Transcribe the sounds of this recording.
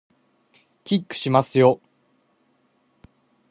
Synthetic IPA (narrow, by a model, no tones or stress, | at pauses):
kʲikːɯ̟̥ɕimasɨjo